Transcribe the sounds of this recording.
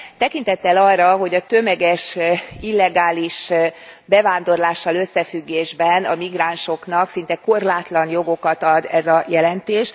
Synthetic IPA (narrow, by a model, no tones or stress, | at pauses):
t̪ɛkint̪ɛt̪ːɛlɒrːɒɦo̞ɟɒt̪ø̞mɛɡɛʃilːɛɡaːliʃbɛvaːnd̪o̞rlaːʃːɒlø̞sːɛfyɡːeːʒbɛnɒmiɡraːnʃo̞knɒksin̪t̪ɛko̞rlaːt̪lɒnjo̞ɡo̞kɒt̪ɒd̪ɛzɒjɛlɛnt̪eːʃ